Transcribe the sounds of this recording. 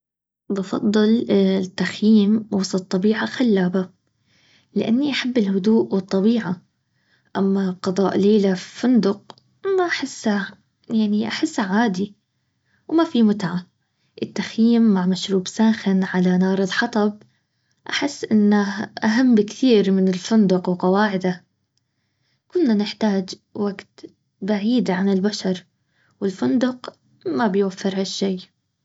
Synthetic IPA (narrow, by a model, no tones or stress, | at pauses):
bɑfɑ̰d̪ˤːɨlt̪ːaxjiːmwɑsˤɑt̪ˤːɑbiːʕaxalːaːba | lɪʔa̰nːiʔaħabːɪlhʊd̪uːʔwɨt̪ˤːɑbiːʕa | ʔamːaqɑd̪ˤɑːʔleːlaffʊnd̪ʊq | maʔaħɪsːa | jaʕniʔaħɪsːaʕaːd̪i | wmafimʊt̪ʕa | ʔɪt̪ːaxjiːmːaʕmaʃɾuːbsaːxɪnʕalanɑːɾˤɨðˤħɑt̪ˤɑb̚ | ʔaħɪsːʔɪnːaʔaɦamːbɪkt̪iːɾmɪnɪlfʊnd̪ʊqwqɑwaːʕɪd̪a | kʊnːanɪħt̪aːd͡ʒ | waɡt̪ | baʕiːd̪ʕanɪlbaʃɑɾˤ | wɪlfʊnd̪ʊq | mabɪjwafːɪɾhaʃːejː